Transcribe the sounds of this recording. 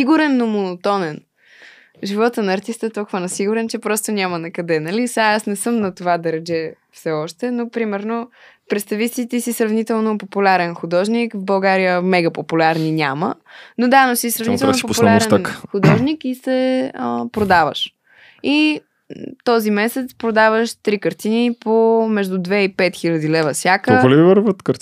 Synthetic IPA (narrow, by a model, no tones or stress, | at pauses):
iɡuɾɛnːomonot̪ɔnɛn | ʒivɔt̪ənɐːɾt̪ist̪əɛt̪ɔlˠkʊvənɐsiɡʊɾɛnt͡ʃɛpɾɔst̪onʲamənɐkɐd̪ɛnɐlisaasnɛsɤmnɐt̪ovad̪ɐɾɛd͡ʒɛ | fsɛɔʃt̪ɛnopɾimɛɾno | pɾɛt̪st̪ɐvisit̪isisɾɐvnit̪ɛlˠnopopulʲaɾɛnxud̪ɔʒnikvbɐlˠɡaɾijəmɛɡəpopulʲaɾninʲamə̰ | nod̪anosisɾɐvnit̪ɛlnoopopullaaɾɛnnxʊd̪ɔʒnikisɛəpɾod̪avə̰ʃ | i | t̪ɔzimɛsɛt̪spɾod̪avəʃt̪ɾikəɾt̪inipomɛʒd̪ʊd̪vɛipɛt̪xilʲəd̪ilɛvəsʲjakəliivəɾvət̪kəɾ